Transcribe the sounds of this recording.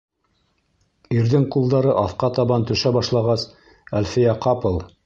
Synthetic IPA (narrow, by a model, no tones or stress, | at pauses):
iɾðɘŋqulˠd̪ɑɾɤʔɑθqɑt̪ɑβɑnt̪ɵ̆ʃæbɑʃlˠɑʁɑs | ælfijæqɑpɤlˠ